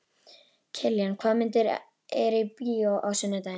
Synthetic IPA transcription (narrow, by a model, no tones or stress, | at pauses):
cʰɛljankʰaːmɪnt̪ɪɾ | ɛɾɪpioʔawsœnːat̪aj